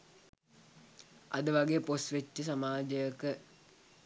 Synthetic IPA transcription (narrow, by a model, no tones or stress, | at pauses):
ɐd̪əʋɐɡejposʋet͡ʃːəs̬ɐmaːd͡ʒɐjəkə